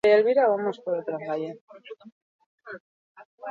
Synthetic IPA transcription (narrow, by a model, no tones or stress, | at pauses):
eelβiɾaβamospoɾot̪ɾafaje